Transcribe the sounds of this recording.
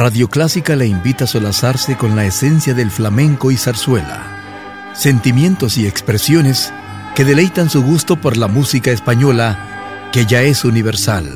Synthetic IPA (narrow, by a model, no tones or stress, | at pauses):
raðjo̞klasikalaimbit̪aso̞lasaɾse̞ko̞nlaese̞nsjaðe̞lflamẽ̞ŋko̞isaɾswe̞la̰ | se̞nt̪imjẽ̞nt̪o̞sie̞kspɾe̞sjo̞ne̞s | ke̞ðe̞le̞jt̪ansuɣust̪o̞po̞ɾlamusikaespaɲo̞la | ke̞ʝae̞suniβe̞ɾsal